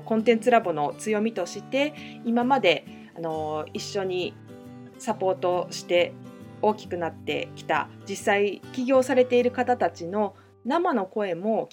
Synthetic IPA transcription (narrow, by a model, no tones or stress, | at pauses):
kõ̞nt̪ẽ̞nt͡sɨɾabo̞no̞t͡sɨjo̞mʲit̪o̞ɕit̪e̞imamad̪e̞ | ano̞iɕːo̞ɲ̟i | sapo̞ːt̪o̞ɕi̥t̪e̞o̞ːkʲi̥kɯ̟nat̪ːe̞̰kʲi̥t̪a̰d͡ʑisːaikʲiɡʲo̞ːsaɾe̞t̪e̞iɾɯ̟kat̪at̪at͡ɕino̞ | namano̞ko̞e̞mo̞